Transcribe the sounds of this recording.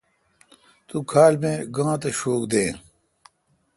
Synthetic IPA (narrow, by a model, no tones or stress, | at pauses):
t̪ukʰaːlmẽɡãːt̪ɐɕoːkd̪ẽː